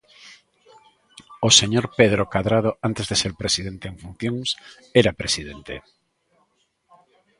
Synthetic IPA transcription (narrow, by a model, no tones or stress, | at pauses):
oseɲoɾpeð̞ɾokaðɾað̞oant̪ezðeseɾpɾesiðent̪eːŋfun̟θjoŋs | eɾapɾesiðent̪ḛ